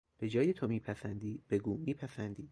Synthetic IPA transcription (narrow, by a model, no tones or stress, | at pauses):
b̥e̞d͡ʒɒːjet̪ʰomiːpʰæsænd̪iːb̥e̞ɡuːmiːpʰæsænd̪iː